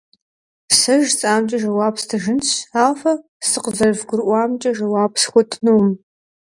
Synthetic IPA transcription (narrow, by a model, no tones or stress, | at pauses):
sɐʒt͡sʼaːmt͡ʃʼɐʒɐwaːpstʰɨʒɪnɕaːlfɐ | sɨqzɐrvɡʷʊrʔʷɑːmt͡ʃʼɐʒɐwɑːpʰsxʷɔtʼnum